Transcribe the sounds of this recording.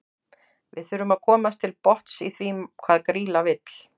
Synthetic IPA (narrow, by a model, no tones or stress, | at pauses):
vɪðθʏɾʏmaðkʰɔːmast̪ʰɪlpɔht̪siθvikʰvaːðkɾiːlavɪt̪l̥